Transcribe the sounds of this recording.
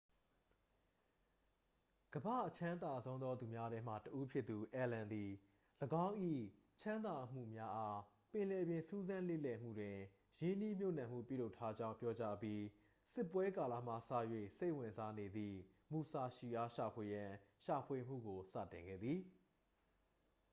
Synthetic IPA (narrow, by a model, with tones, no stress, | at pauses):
ɡ̥əba̰˦˨ʔət͡ɕʰã˦d̪a˨zõ˦ʊ̃nd̪ɔ˦d̪u˨mja˦ɾɛ˦m̥ä̰˦˨təʔu˦pʰjɪ˦t̪ːu˨ʔɛ˨lã˨nd̪i˨ | ləɡã˦ʊ̃ʔḭ˦˨ | t͡ɕʰã˦nd̪a˨ʔəm̥ṵ˦˨mja˦ʔa˦ | pɪ̃˨lɛ˨bjɪ̃˨su˦zã˦lḛ˦˨lɛ˨m̥ṵ˦˨dwɪ̃˨ | jɪ̃˦ni˦mjo˦ʊnã˨m̥ṵ˦˨pjṵ˦˨lo˦ʊtʰːa˦d͡ʑã˦ʊ̃mpjɔ˦t͡ɕa˦pji˦ | sɪ˦˨pːwɛ˦ka˨la̰˦˨m̥a̰˦˨sä̰˦˨jwḛ˦˨se˦ɪʔwɪ̃˨nza˦ne˨d̪ðḭ˦˨ | mu˨sa˨ʃi˨ʔa˦ʃa˨pʰwe˨jã˨ʃa˨pʰwe˨m̥ṵ˦˨ɡo˨sä̰˦˨tɪ̃˨ŋɡɛ̰˦˨d̪ði˨